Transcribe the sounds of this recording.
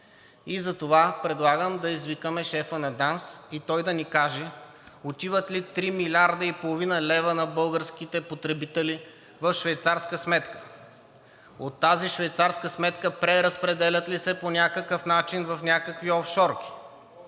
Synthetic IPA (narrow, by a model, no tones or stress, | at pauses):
izɐt̪ovapɾɛd̪lˠaɡəmd̪ɐizvikəmɛʃɛfənɐd̪ansit̪ɔjd̪ɐnikaʒɛ | ot̪ivət̪lit̪ɾimilʲaɾd̪əipolˠovinəlɛvənɐbɤlˠɡəɾsk̟ʲit̪ɛpot̪ɾɛbit̪ɛli | vɐfʃvɛjt̪saɾskəsmɛt̪kə̥ | ot̪ːaziʃvɛjt̪saɾskəsmɛt̪kəpɾɛɾəspɾɛd̪ɛlʲət̪lisɛponʲakəkəfnat͡ʃinvɐfnʲakəkviɔfʃɔɾk̟ʲi̥